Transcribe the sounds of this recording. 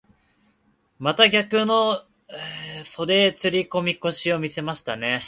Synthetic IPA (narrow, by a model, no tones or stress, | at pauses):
mat̪aɡʲakɯ̟no̞ | so̞ɾe̞t͡sɨɾʲiko̞mʲiko̞ɕio̞mʲise̞maɕi̥t̪ane̞